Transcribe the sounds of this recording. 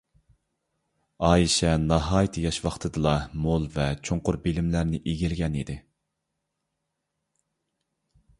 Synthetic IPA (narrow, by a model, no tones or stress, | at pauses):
ɑːjiʃɛnɑɦɑːjt̪ʰɨjɑʃwɑχt̪ʰɨd̪ɨlˠɑmolˠvɛt͡ʃʰoɴqʊɾbilɪmlæɾnɪʔiɡʲilɡʲɛnid̪ɪ